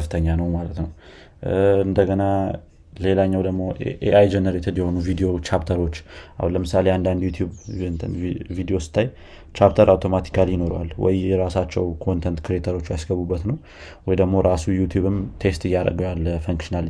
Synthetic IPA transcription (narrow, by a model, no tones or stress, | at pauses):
ft̪ʰəɲːanəwmalət̪nəw | ɨnd̪əɡəna | le̞laɲːawd̪əɡmo̞ʔeʔajd͡ʒɛnəɾet̪ʰɨd̪jɛho̞nuvid̪ijo̞t͡ʃʰapt̪ʰəɾo̞t͡ʃːʔa̰hunləmɨsale̞and̪and̪jut̪ʰjubnt̪vid̪io̞sɨ̥t̪ʰːaj | t͡ʃapt̪ʰəɾawt̪ʰo̞mat̪ʰi̥kʰaljɪno̞ɾwalwɔ̰jɛɾasat͡ʃːɛwkʰo̞nt̪ʰənt̪kʰɾiet̪ʰəɾo̞t͡ʃːjasɡəβubːət̪nəw | wɔjd̪əɡmo̞ɾasujut̪ʰjuβɨmt̪ʰe̞st̪ɨjːaɾə̰ɡojalːəfəŋkʃinal